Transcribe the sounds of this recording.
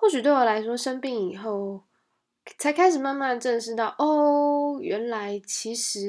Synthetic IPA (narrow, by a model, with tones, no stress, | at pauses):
xwɔ˥˩t͡ɕy˨˩t̪we˥˩ɪwɔ˨˩la˧˥ɪʂwɔ˥ʂə˥npi˥˩ŋi˨˩xo˥˩ʊ | t͡sʰa˧˥ɪkʰa˥ɪʂɻ̩˨˩ma˥˧nma˥˧nʈ͡ʂə˥˧nʂɻ̩˥˧t̪ɑ˥˩ʊʔɔ˥˩ɥɛ˧˥nla˧˦ɪt͡ɕʰi˧˥ʂɻ̩˨˧˥